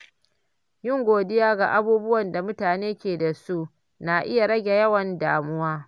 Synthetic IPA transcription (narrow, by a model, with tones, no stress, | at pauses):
jɪ˦ŋɡʷoː˨dɪ˦jaː˦ɡa̰˨ʔa˦buː˦bʊ˦wɐ˨nda˨mʊ˦taː˨neː˦kʲeː˨da˨su˦ʔ | na˨ʔɪ˦ja˨ɽɐ˦ɡʲe˨jɐ˦wɐ˨ndaː˨mʊ˦waː˦